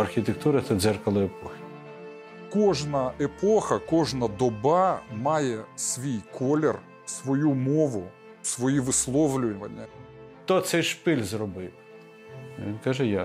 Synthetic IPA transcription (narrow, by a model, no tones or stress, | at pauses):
ɐrxʲit̪ek̚t̪uɾɐt̪ɐd̪zɛrkɐlˠɪepɔxʲɪ̥ | kɔʒnɐepɔxɐkɔʒnɐd̪ɔbɑmɑjɛsʋʲijkʰɔlʲɛr | sʋɔjumɔʋʊ | sʋɔjiʋɪslˠɔwlʲʊʋɐnʲːɐ | t̪ɔt̪sɛjʃpɪlʲzrɔbɪw | ʋʲinkɑʒɛja